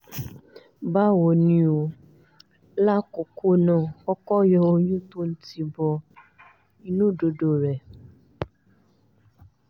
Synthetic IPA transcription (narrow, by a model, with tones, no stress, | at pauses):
ba˦wo˨nĩ˨o˨ | la˦kʊ˨ku˦nɔ̃˦˨kɔ˦kɔ˦jɔ˦o˦ɲũ˦tu˦n̩˦ti˧bɔ˨ | i˦nũ˦˨do˨do˨ɾɛ˨